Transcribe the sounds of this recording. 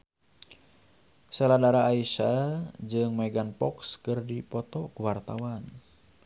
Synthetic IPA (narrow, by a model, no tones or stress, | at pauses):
sɛladaɾaːiʃad͡ʒɨŋmɛɡanpɔkskɨrdipɔt̪ɔkuwart̪awan